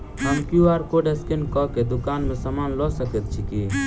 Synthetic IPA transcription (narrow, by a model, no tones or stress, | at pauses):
ɦəmkjuaːɾkoɖeskenkɔked̪ʊkaːnmẽsəmaːnlɔsəkət̪̚t͡ʃʰiki